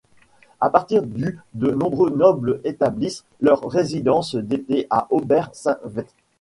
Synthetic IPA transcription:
apaʁt̪iʁd̪yd̪ənɔ̃bʁønɔblet̪ablis | lœʁːezid̪ɑ̃sd̪et̪eʔaʔobɛʁsɛ̃vɛt̪

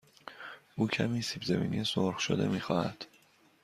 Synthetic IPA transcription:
ʔuːcʰæmiːsiːbzemḭːnijesoɾxʃo̰d̪emiːxɒːhæd̪̥

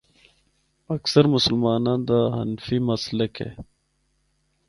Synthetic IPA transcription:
ɐksəɾmʊsəlmɑːnaːnd̪aɦɐ̰nfimɐsləkḛ

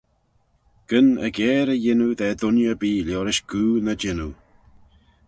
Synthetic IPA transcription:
ɡ̥ənə̰ɡɛːɾəjɪnuðɛːd̪ʊnjəbiːljoːɾɪʃɡ̥uːnəd͡ʒɪnu

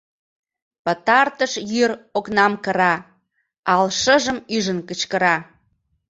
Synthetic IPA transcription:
pət̪ɑrt̪əʃjyɾoknɑmkəɾɑ | ɑlʃəʒəmyʒənkət͡ɕkəɾɑ

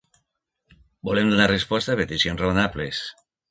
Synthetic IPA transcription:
bolemd̪unarespɔst̪apet̪isjonsraonaples

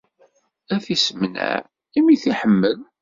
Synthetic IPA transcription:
æfisəmnæ̰ʕ | imiθiħəmːəð

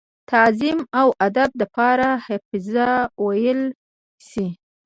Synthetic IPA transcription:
t̪azimawʔad̪ab̚d̪apɑɾahafɪzawajəl | si

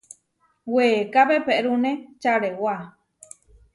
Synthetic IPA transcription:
wekaβepeʔɾunẽt͡ʃaɾewa

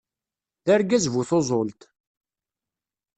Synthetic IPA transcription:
ðæɾɡæzvuθozˤolt̪

